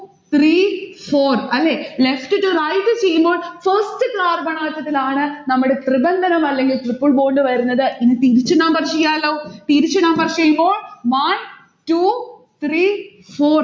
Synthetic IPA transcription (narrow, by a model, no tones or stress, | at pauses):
t̪ʰriːfoːrɐlːeːlefʈɨʈːurɐjtːɨt͡ɕejːumbo̞ːɭfɐrstɨkɾaːrbɐɳaːɐt̪ːɐt̪ːilaːɳɨnɐmːuɽe̞t̪ribɐnd̪ʱɐnɐmɐlːe̞ŋɡilt̪ripːɨɭbo̞ːɳɖɨʋɐɾunːɐðɨʔinːɨt̪iɾit͡ɕːɨnɐmbɐrt͡ɕejːaːlːoːt̪iɾit͡ɕːɨnɐmbɐrt͡ɕejːumbo̞ːɭʋɐn | tu | t̪riː | foːr